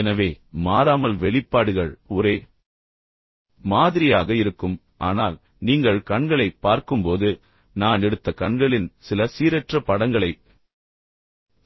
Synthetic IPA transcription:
ɛnɐʋeːmaːɾaːmɐlʋɛɭɪpːaːɽɯɣɐɭɔɾeː | maːðɪɾɪjaːɣɐɪɾɯkːɯm | ʔa̰ːnaːl | niːŋɡɐɭkɐɳɡɐɭɐɪpːaːɾkɯmpoːðɯ | naːnɛɽɯt̪ːɐkɐɳɡɐɭɪnsɪlɐsiːɾɛʈrɐpɐɽɐŋɡɐɭɐɪ

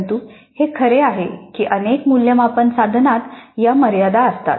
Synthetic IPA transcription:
nt̪uː | hekʰəɾeaɦekiːʔənekmuljəmapənsad̪ʱnat̪jaməɾjad̪aəst̪a̰t̪

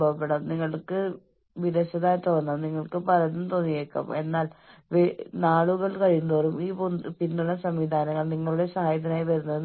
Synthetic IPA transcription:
bɐʋɐpːeɽɐmniŋːɐɭkɨ | ʋiðɐɕɐðaːjɐt̪oːnːɐmniŋːɐɭkɨpɐɾɐnːumt̪oːnːijeːkːɐ̰me̞nːaːlʋnaːɭuɣɐɭkɐɻijunɐðoːrumiːponpind̪uɭɐsɐmʋid̪ʱaːnɐŋːɐɭniŋːɐɭuɽe̞sɐɦaːjɐt̪̬ːɐnaːjipɐɾunːɐðɨ

